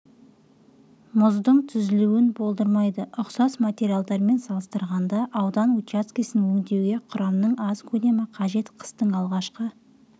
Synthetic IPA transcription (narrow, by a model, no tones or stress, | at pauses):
mʊzd̪əɴt̪ʰʏzɪluwɪnbo̞lˠd̪əɾmɑjd̪əʔʊqsɑsmat̪ʲe̞ɾʲialˠd̪ɑɾme̞nsɑlˠəst̪əɾʁɑnd̪ɑʔɑwd̪ɑnut̪jat̪skʲijsɪnwɵŋd̪e̞wɡʲe̞qʰʊɾɑmnəɴɑzkʲʰɵd̪e̞mɪqʰɑʒe̞t̪qʰə̥st̪əɴɑlˠʁɑʃqə